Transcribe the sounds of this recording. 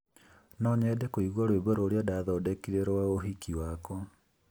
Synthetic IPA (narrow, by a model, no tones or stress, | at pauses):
nɔɲɛːdɛkoiɣwɔɾwebɔɾoːɾeɔdaðɔdɛkiɾeɾoaoɦikiwakɔ